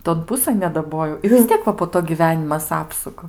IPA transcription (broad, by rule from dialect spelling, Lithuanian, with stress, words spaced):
toːn ˈpʊsɘn nʲɛdɐˈboːjɛʊ ɪ ʋʲɪs ˈtʲiɛk ʋɐ poː ˈtoː ɡʲiːˈʋʲæːnʲɪmɐs ˈɑːpsʊkɐ